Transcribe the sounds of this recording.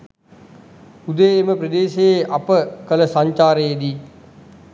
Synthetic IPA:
ud̪əjeməpɾəd̪eːʃejeʔapəkələsaɲt͡ʃaːɾəjed̪i

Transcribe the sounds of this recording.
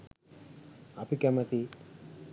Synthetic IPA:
apikɐmɐt̪i

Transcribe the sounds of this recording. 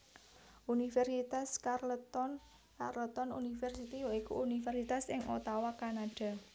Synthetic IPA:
ʔunifɛrsit̪askarlət̪ɔn | karlət̪ɔnṵnifɛrsit̪ijoikṵunifɛrsit̪asɪŋʔo̰t̪awakanaɖ̥a̤

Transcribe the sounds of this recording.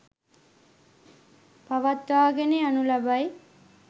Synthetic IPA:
paʋat̪ʋaːɡeneanulabaj

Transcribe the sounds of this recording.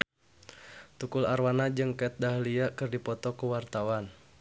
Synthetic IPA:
t̪ukularwanad͡ʒɨŋkat̪̚daɦliakɨrdipɔt̪ɔkuwart̪awan

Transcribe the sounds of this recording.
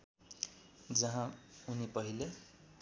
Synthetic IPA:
d͡zʌɦãunipʌɦile

